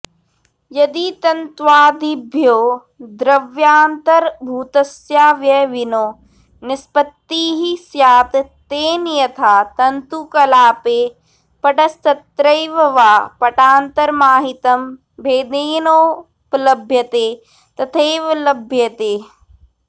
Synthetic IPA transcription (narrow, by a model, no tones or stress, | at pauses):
jɐd̪it̪ɐnt̪ʋaːd̪ibʱjoː | d̪ɾɐʋjaːnt̪ɐɾbʱuːt̪ɐsjaːʋjɐʋinoː | nɪspɐt̪ːiːɦisjaːt̪t̪eːnjɐt̪ʰaːt̪ɐnt̪ukɐlaːpeː | pɐʈɐst̪ɐt̪ɾɐjʋɐʋaːpɐʈaːnt̪ɐɾmaːɦit̪ɐm | bʱeːd̪eːnoː | pɐlɐbʱjɐt̪eː | t̪ɐt̪ʰeːʋɐlɐbʱjɐt̪eː